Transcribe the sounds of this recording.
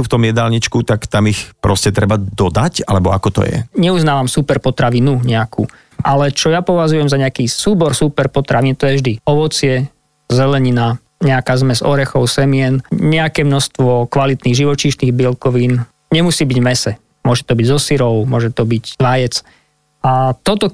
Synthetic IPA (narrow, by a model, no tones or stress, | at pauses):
uft̪ɔmjɛd̪alɲit͡ʃkut̪akt̪amixpɾɔscɛt̪ɾɛbad̪ɔd̪acalɛbɔa̰kɔt̪ɔ̰jɛ̰ɲɛuznaːʋamsupɛɾpɔt̪ɾaʋinuɲɛakʰṵː | ʔalɛt͡ʃɔjapɔʋazujɛmzaɲɛakiːsuːbɔɾsuːpɛɾpɔt̪ɾʔaʋint̪ɔjɛvʒd̪iɔʋɔt͡sɪɛ | zɛlɛɲina | ɲɛakaːzmɛzɔɾɛxɔʊsɛmiɛnɲɛakɛːmnɔst̪ʋɔkʋalit̪niːɣʒiʋɔt͡ʃiːʃniːɣbɛlkɔʋiːn | ɲɛmusiːbiɟvmɛsɛ | mʊɔʒɛt̪ɔbiɟzɔsiɾɔʊmʊɔʒɛt̪ɔbiczʋajɛt͡s | at̪ɔt̪ɔ